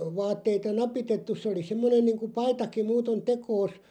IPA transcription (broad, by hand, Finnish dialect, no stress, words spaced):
ʋɑːtːeitɑ nɑpitetːus̆ se oli semːonen niːŋku pɑitɑki muːton tekoːs